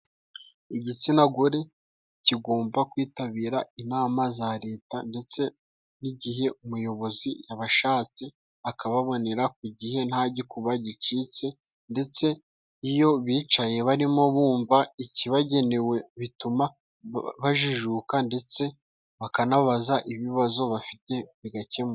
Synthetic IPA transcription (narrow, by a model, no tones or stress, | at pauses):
iɟit͡sinaɡoɾe̞ | ciɡo̞ːmbakwiːtaβiːɾainaːmazaɾe̞ːtande̞t͡se̞ | niɟiɦe̞umujo̞βo̞zijaβaʃaːt͡si | akaβaβo̞ne̞ɾak̚uɟihe̞n̥haɟikuβaɟit͡ʃit͡se̞ | nde̞t͡se̞ | ijo̞βiːt͡ʃaje̞βaɾimo̞βuːɱvaiciβaɟe̞ne̞we̞βituma | βaʒuʒukande̞t͡se̞ | βakanaβazaʔiβiβazo̞βafite̞βiɡace̞m